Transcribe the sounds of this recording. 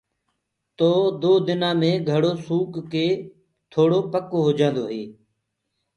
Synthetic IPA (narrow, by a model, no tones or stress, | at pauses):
t̪oːd̪oːd̪ɪnãːmẽːɡʱəɽoːsuːkkeː | t̪ʰoːɽoːpəkoːɦoːd͡ʒãːnd̪oːɦeː